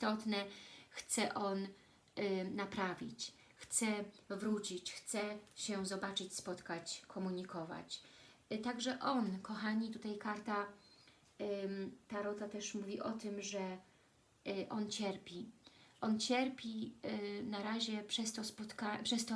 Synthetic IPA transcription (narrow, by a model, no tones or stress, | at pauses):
st̪ɔt̪nɛxt̪sɛʔɔn | apɾavʲḭt͡ɕ | xt̪sɛvɾut͡ɕit͡ɕxt̪sɛɕɛzɔbat͡ʂɘt͡ɕspɔt̪kat͡ɕkʰɔmuɲikɔva̰t͡ɕ | t̪aɡʐɛʔɔnkɔxaɲit̪ut̪ajkaɾt̪a | t̪aɾɔd̪at̪ɛʂmuvʲiʔɔt̪ɘmʐɛ | ʔɔnt͡ɕɛɾpʲiʔɔnt͡ɕɛɾpʲi | naɾaʑɛpʂɛst̪ɔspɔt̪kapʂɛst̪ɔ